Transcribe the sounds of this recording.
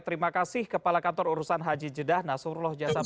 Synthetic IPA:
t̪əɾimakasɪhkəpalakant̪ɔɾuɾusanɦad͡ʒid͡ʒədahnasurlɔhd͡ʒasa

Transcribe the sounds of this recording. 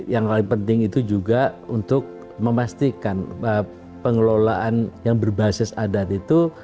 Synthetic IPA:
jaŋpalɪŋpənt̪ɪŋit̪ud͡ʒuɡaunt̪ʊk̚ | məmast̪ikanə | pəŋəlolaʔanjaŋbərbasɪsadat̪it̪u

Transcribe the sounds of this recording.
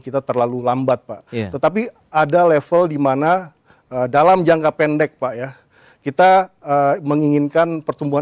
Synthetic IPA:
kit̪at̪ərlalulambat̪̚pa̰ʔt̪ət̪ap̬i | adalɛfəldimana | ədalamd͡ʒaŋkapɛndɛk̚paʔja | kit̪aəməŋiŋɪnkanpərt̪umbuɦa

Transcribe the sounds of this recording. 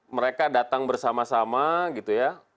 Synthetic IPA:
məɾekadat̪aŋbərsamasamaɡit̪uja

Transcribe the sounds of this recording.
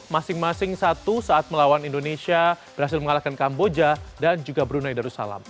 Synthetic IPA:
masɪŋmasɪŋsat̪usaʔat̪̚məlawanindonesia | bəɾhasɪlməŋalakankambod͡ʒadand͡ʒuɡabəɾunajdaɾusa̰la̰m

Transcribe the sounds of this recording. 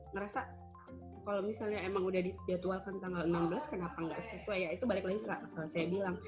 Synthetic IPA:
ŋəɾasa | kalomisalɲaemaŋudahdid͡ʒat̪ualkant̪aŋɡalənambəlaskənapaŋɡaʔsəsuajait̪ubalɪklaɡisakalasajabilaŋ

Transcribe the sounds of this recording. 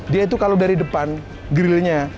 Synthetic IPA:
diait̪̬ukaladaɾidəpan | ɡɾililɲa

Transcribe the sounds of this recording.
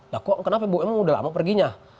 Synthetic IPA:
lakɔkənapabowɛmuudala̰mapərɡiɲa

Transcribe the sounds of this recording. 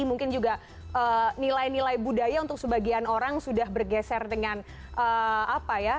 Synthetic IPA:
imuŋkɪnd͡ʒuɡa | ʔəːnilajnilajbudajaunt̪ʊk̚səbaɡianoɾaŋsudahbərɡɛsɛrdəŋan | ʔəapaja

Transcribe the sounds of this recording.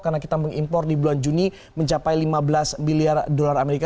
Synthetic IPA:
karnakit̪aməŋimpɔrdibuluand͡ʒuni | məɲt͡ʃapajlimabəlasmiliardolarameɾika

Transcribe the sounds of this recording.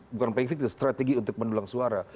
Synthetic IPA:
bukanpaiŋfik̚t̪ʊst̪ɾat̪eɡiunt̪ʊk̚məndulaŋsuaɾa

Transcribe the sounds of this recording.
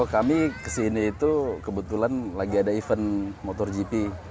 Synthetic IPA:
kamikəsiniːt̪ukəbət̪ulanlaɡiadaifənmot̪ɔrd͡ʒipi

